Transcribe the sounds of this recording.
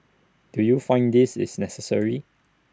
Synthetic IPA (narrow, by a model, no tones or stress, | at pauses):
d̥ujufãɪ̃ndisɪ̰snɛsəsə̰ɹi